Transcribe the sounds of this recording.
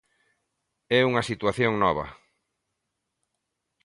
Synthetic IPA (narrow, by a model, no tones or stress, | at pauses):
ɛuŋɐsit̪waθjoŋnɔβɐ̰